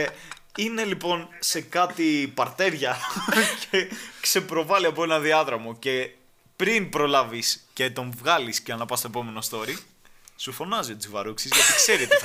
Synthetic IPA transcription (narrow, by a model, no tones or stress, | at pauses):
ine̞lipo̞nse̞kɐt̪ipɐɾt̪e̞ɾʝɐcekse̞pɾo̞vɐliɐpoenɐðiɐðɾɐmoce̞ | pɾinpɾo̞lɐvisce̞t̪o̞ɱvɣɐlisceɐnɐpɐst̪oe̞po̞me̞no̞st̪o̞ɾi | sufo̞nɐzio̞t̪t͡sivɐɾuksizʝɐt̪ikseɾit̪i